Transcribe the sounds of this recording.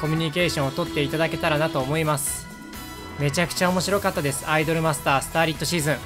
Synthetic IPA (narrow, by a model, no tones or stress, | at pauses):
ko̞mʲiɲ̟ik̬e̞ːɕõot̪o̞t̪ːe̞it̪ad̪ake̞t̪aɾanat̪o̞ːmo̞imasɨ̥ | me̞t͡ɕakɯ̟̥t͡ɕao̞mo̞ɕiɾo̞kat̪ːad̪e̞sɨ̥aid̪o̞ɾɯ̟masɨ̥t̪aːsɨ̥t̪aːɾʲit̪ːo̞ɕiːzɨ̃ŋ̃